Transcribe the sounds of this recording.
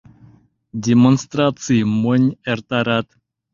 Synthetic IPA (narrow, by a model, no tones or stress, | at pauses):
d̪ʲemonst̪ɾat͡simoneɾt̪aɾat̪